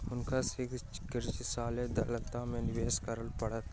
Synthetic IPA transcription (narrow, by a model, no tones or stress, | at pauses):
ʊnkasɪkt͡ʃɪ̥kɪɾt͡ʃɪsaːled̪ɐlət̪ːãmẽnɪʋeːskəɾəlpɐɽət̪